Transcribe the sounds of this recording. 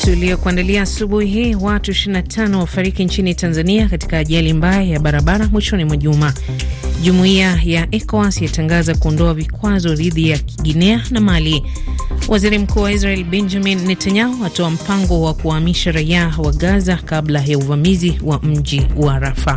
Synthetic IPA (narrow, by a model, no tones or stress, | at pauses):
tuliɔkuandaliaːsuɓuhiɦiːwatuiʃiɾinatʰanɔwafaɾikint͡ʃinitanzaniakati̥kaːʄalimbajajaɓaɾaɓaɾamwiʃɔnimwaʄuma | ʄumuiajaʔɛkɔasijataŋɡazakuɔndɔavikwazɔɾiðijakʰiɠinɛanamali | wʔaziɾim̩kuːwaizɾaɛlɓɛnd͡ʒaminːɛtaɲaɔatɔam̩paŋɡɔwakuwaːmiʃaɾaiawaɠazakablajauvamiziwam̩ʄiwaːɾafa